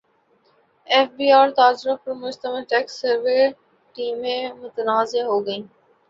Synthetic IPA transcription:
eːfbiːaːɾt̪aːzɾʊpɐɾmʊd͡ʒt̪əməlʈɛːksəɾʋe | ʈiːmẽmʊt̪ənaːzeɦoːɡɐĩː

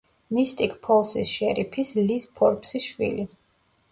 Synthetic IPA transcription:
mist̪ʼikʰpʰɔlˠsisʃɛɾipʰislispʰɔɾpʰsisʃwḭli

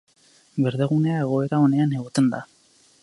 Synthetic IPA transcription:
beɾðeɣ̞une̞ae̞ɣ̞o̞e̞ɾao̞ne̞aneɣot̪e̞nd̪a

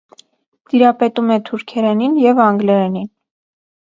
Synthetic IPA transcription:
d̪̥iɾɑpɛt̪umɛt̪ʰuɾkʰɛɾɛninjɛvɑŋɡlɛɾɛnin

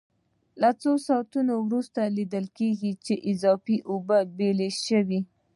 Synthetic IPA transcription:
lat͡sosɑt̪unowɾust̪alid̪əlkeɡit͡ʃeʔɪzɑfiʔobəbeleʃəwi

